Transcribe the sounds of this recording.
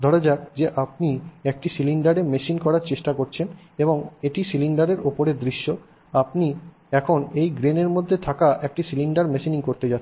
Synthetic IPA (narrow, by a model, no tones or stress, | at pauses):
d̪ʱɔɾod͡ʑakd͡ʑeʔap̚niek̚ʈisiliɳɖaɾemeʃinkɔɾaɾt͡ɕeʃʈakoɾt͡ɕʰen | eboŋeʈisiliɳɖaɾeɾopoɾed̪ɾiʃːo | apni | ɛkʰonejɡɾeneɾmod̪ʱːet̪ʰakaʔek̚ʈisiliɳɖaɾmeʃiniŋkoɾt̪ed͡ʑaː